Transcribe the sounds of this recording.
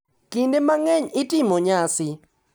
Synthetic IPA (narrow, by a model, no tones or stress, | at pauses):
kindemaŋɛɲɪtɪmoɲasɪ